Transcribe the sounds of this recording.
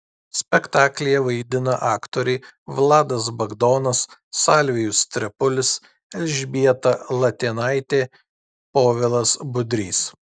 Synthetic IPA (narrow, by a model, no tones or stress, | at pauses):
sʲpʲɛkt̪ɑːklʲɛjɛʋɐɪd̪ʲɪnɐʔɑːkt̪oːɾʲɛɪʋlˠɑːd̪ɐs̬bɐɡd̪oːnɐsːɑːlʲʋʲɪjʊst̪ʲɾʲɛpʊlʲɪs | ɛlʲʒʲbʲiɛt̪ɐlˠɐt̪ʲiːnɑɪt̪ʲeː | poːʋʲɪlˠɐsbʊd̪ʲɾʲiːs